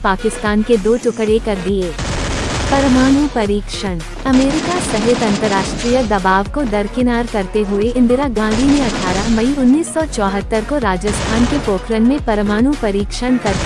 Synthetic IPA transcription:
paːkɪst̪aːnked̪oːʈʊkɽekɐɾd̪ieː | pɐɾmaːñupɐɾiːkʃən | ɐmeːɾɪkasɐɦɪt̪ɐ̃nt̪əɾːaːʃʈɾijəd̪ɐbaːʋkod̪ɐɾkɪnaːɾkɐɾt̪eɦʊeɪ̃nd̪ɪɾaɡãːɖʱimẽɐʈʰaːɾaɦmɐiʊnːiːsːɔt͡ʃɔːɦət̪ːəɾkoɾaːd͡ʒəst̪ʰaːnkepoːkɾənmẽpɐɾmaːñupɐɾiːkʃənkɐɾ

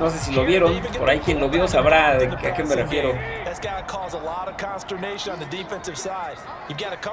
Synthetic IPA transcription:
no̞s̬e̞s̬ilo̞βje̞ɾo̞noɾaikje̞nlo̞βjo̞saβɾaakemerefje̞ɾo̞ðɨtsɡ̥ɑɾɨkʰɔzəlɔɾʌv̥kʰɑ̃nstə˞neɪʃɨ̃nə̃nðɨdifɛ̃nsɨv̥saɪd | jɨvɡɑɾɨkʰ

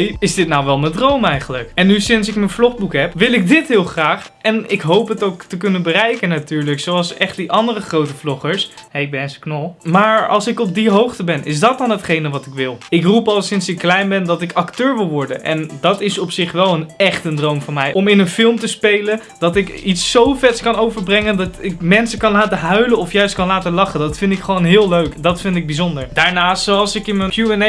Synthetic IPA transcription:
jɪzdɪtnawʋɛlˠməndrowmɛjχələkɛnːysɪns̬ɪkmənvlɔχbukɦɛpʋɪlˠɪk̚dɪtɦɪːlˠχraːχ | ɛnɪkɦowpɦətowktəkɵnənbərɛjkənatyːɹləksowɑlˠsɛχt̚diʔɑndərəχrowtəflɔχəɹsɦɛɪɡ̚bɛnnsə̥knɔlˠmaːɹɑ̰lˠsɪkɔb̚diɦowχtəbɛnɪ̰zdɑt̚dɑnɦətχejnəʋɑtɪkʋɪlˠɪkrupɑlˠsɪnsɪkːlɛjnbɛndɑtɪkɑktøːɹʋɪlˠʋɔɹdənʔɛ̰ndɑtɪsɔpsɪχʋɛlˠənɛχtəndrowmvɔɹmɛjʔɔmɪnənfɪlˠmtəspejlən | d̥ɑtɪkitsːowfɛtskɑnowvəɹbrɛŋəndɑtɪkmɛnsəkɑnlaːtəɦœɥlənɔfjœɥst̚kɑnlaːtəlɑχəndɑtfɪntɪkχəʋownɦɪːlˠløɥkdɑtfɪntɪɡ̚bizɔndəɹd̥aːɹnaːstsɑlˠsɪkɪnməkjuɛn

